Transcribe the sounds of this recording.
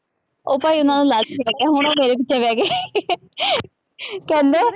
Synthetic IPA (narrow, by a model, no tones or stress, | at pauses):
oːpaːiʊnãːnũːlad͡ʒkɛːɛːɦʊɳ̃oːmeːɾeːp̬ɪtːʃʰeːʋɛːɡeː | kɛ̃ːnd̪eː